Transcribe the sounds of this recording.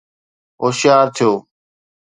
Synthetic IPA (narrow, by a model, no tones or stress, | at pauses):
ɦoːʃjaːɾt̪ʰijoː